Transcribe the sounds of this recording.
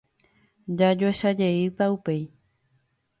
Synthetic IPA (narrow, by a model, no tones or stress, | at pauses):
d͡ʒad͡ʒoeʃad͡ʒe̞it̪aupe̞j